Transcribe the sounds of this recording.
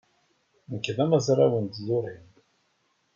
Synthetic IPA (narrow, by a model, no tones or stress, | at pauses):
nkːəðæmæzɾˤawənd̪zʊɾim